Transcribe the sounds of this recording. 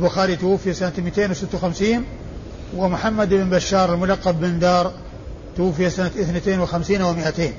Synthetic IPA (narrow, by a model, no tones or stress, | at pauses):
lbʊxaːɾit̪ʊwʊfːijasanamit̪eːnwsɪt̪ːawxamsiːn | wɪmʊħamːad̪ʔɪbnbaʃːɑːɾˤɪlmʊlɑqːɑbːɪnd̪ɑːɾˤ | t̪ʊwʊfːijasanat̪ʔɪθnat̪eːnwɪxamsiːnawɪmɪʔat̪eːn